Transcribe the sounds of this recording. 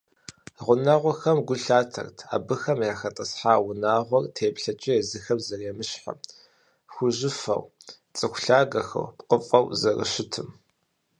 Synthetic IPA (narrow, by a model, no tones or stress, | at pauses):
ʁʷʊnaʁʷɔxɐmɡʷʊɬaːtʰɐ̰rtʰa̰ːbɨxɐmjaːxɐtʼɐsħaːwʊnaːʁʷɔrtʰeːpɬɐt͡ʃʼɪɛzɨxɐmzɐreːmɨɕħa̰m | xʷʊʑɪfɐ̰w | t͡sʼɨxʷɬaːɡɐxɐ̰wpqəfʼɐwzɐrɨ̰ɕɪtʰɨm